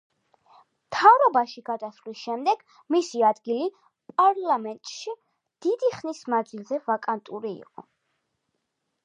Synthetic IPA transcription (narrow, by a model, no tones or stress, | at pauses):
mt̪ʰavɾɔbaʃiɡad̪aslisʃɛmd̪ɛɡ̥ | misiad̪ɡili | pʼaɾlˠamɛnt̪ʼʃi | d̪̥id̪iχnismand̪zilˠzɛvakʼant̪ʼuɾiḭqʼɔ